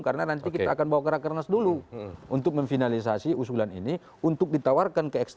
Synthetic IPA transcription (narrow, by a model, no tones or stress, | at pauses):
karnanant̪̬ik̬it̪aːkanbawakəɾakərnasduluunt̪ʊk̚məɱfinalis̬asiusulanḭni | unt̪ʊk̚dit̪awarkankəɛkst̪